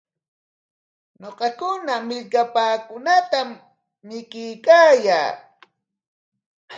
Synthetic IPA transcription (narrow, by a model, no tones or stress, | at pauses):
ɲoqɑkʊnamɪʎkapaːkʊnat̪amː | ɪkɪjkaːjaː